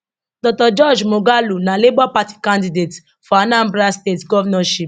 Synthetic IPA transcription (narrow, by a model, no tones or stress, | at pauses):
dɔtɔd͡ʒɔd͡ʒmoɡalunãlibapati̥kãndidet | fɔanãm̩bɾastetɡɔvɛnɔʃip